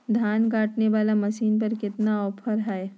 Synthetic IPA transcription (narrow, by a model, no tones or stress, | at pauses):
d̪ʱaːnkaːʈneʋaːlamɐʃiːnp̬ɐɾkɪt̪naɔːpʰəɾɦɛe